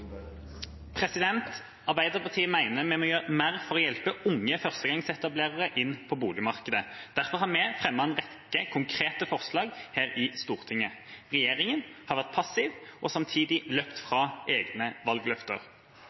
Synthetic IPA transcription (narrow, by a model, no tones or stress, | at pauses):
pʰʁɛsɪd̪ɛnt̪ | ɑʁbæɪd̪əʁpɑʁt̪ʰiːəmæɪnəmɛmoːjøːʁəmæːʁfɔʁɔjɛlpəʊŋːəfœʁst̪əɡɑŋsɛt̪ɑbleːʁəʁəʔɪnːpʰɔbuːlɪmɑʁkəd̪əd̪̥æʁfɔʁhɑmɛfʁɛmːəɑnʁɛkːəkʰʊŋkʰʁeːt̪əfɔʁslɑːɡheːɾɪst̪uːʁt̪ʰɪŋəʁɛjeːʁɪŋənhɑʁʋæʁt̪̚pʰɑsɪʋʔɔsɑmt̪ʰiːd̪ɪløːpt̪fʁɑːʔeːɡnəʋɑlɡlœft̪ə̰ʁ